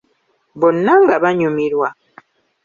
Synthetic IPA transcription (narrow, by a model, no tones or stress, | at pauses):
bonːaŋɡaβaɲumiɾwa